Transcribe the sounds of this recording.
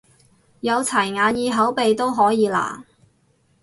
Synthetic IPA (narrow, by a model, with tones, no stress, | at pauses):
jɐ˨˧wt͡sʰɐ˨˩jŋaː˨˧njiː˧ɦɐ˨˥wpe˨jt̪o˥wɦɔː˨˥jiː˨˧la̰ː˨˩